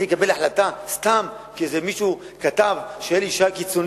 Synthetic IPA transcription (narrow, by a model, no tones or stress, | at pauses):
ekabe̞laħlat̪ast̪am | kizemiʃu | kat̪avʃeeliʃakit͡son